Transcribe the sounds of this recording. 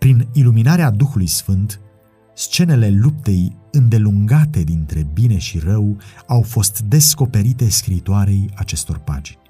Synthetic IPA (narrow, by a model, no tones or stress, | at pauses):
pɾiniluminaɾead̪uxulujsfɨnt̪ | st͡ʃe̞ne̞le̞lup̚t̪e̞jɨnd̪e̞luŋɡat̪e̞d̪int̪ɾe̞bine̞ʃirəwawfo̞st̪d̪e̞sko̞pe̞ɾit̪e̞skɾiːt̪oaɾe̞jat͡ʃe̞st̪o̞̰rpa̰d͡ʒinʲ